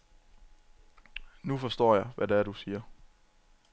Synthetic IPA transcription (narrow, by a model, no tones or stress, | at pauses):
nufɒ̽sd̥ɒ̰ːjɑ̈ɪʋʔædeæɐɾusiːɐ